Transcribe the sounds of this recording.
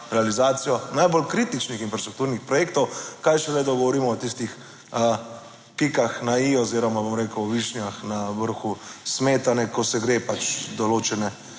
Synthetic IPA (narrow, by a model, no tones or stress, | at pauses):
ɾɛalizaːt̪sijɔnajbolkɾit̪it͡ʃnixinfɾast̪ɾuk̚t̪uːɾnixpɾɔjeːkt̪ɔwkajʃɛzajd̪ɔɡɔʋɔɾiːmɔɔt̪ist̪ix | ə | kikaxnaiɔziɾɔmabomɾeːkəwɔʋiʃnjaxnaʋəɾxusmeːt̪anɛkɔsɛɡɾepat͡ʃd̪ɔloːt͡ʃɛnɛ